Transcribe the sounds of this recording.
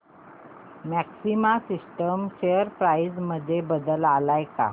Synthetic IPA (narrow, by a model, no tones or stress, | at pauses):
mæksimasisʈəmɕejəɾpɾajsməd̪ʱːjebəd̪əlalajka̰